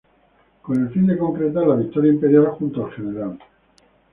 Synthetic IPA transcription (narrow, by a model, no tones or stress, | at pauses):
ko̞ne̞lfind̪e̞ko̞ŋkɾet̪aɾlaβik̚t̪oɾjaimpe̞ɾjalxunt̪oalxeneɾal